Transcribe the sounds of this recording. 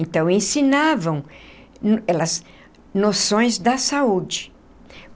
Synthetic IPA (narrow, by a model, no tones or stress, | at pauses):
nt̪ɐ̃w̃ẽsinavɐ̃w̃ | nɛlɐz | nosõj̃zd̪ɐsaud͡ʒɪ